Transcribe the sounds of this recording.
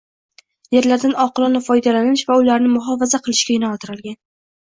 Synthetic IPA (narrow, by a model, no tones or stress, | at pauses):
je̞ɾlaɾd̪anɒqɨlˠɒnafɒjd̪alanɪʃvaʊlaɾnɪmʊɦɒvazaqʰɨlˠɪʃkʲajɪnaɒlt̪ʰɪɾalˠɡʲan